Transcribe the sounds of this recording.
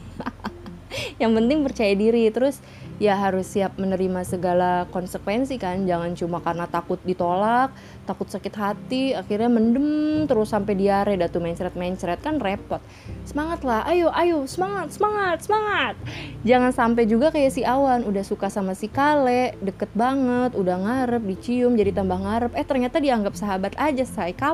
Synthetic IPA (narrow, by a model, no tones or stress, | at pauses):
jaŋpənt̪ɪŋpərt͡ʃajadiɾit̪əɾʊs | jaɦaɾʊsːiap̚mənəɾimasəɡalakɔnsəkwɛnsikand͡ʒaŋant͡ʃumakarnat̪akʊt̪̚dit̪olak̚ | t̪akʊt̪sakɪt̪ɦat̪iaxirɲaməndəmt̪əɾʊsampɛdiaɾɛdat̪umaɲt͡ʃɾɛt̪̚maɲt͡ʃɾɛt̪̚kanrepɔt̪̚ | səmaŋat̪lahʔajoʔajosəmaŋat̪̚səmaŋat̪̚səmaŋat̪̚d͡ʒaŋansampɛd͡ʒuɡakajasiawanudahsukasamasikalɛʔdəkət̪̚baŋət̪udahŋaɾəp̚dit͡ʃiʊmd͡ʒadit̪ambahŋaɾəpɛht̪ərɲat̪adiaŋɡap̚saɦabat̪ad͡ʒasajka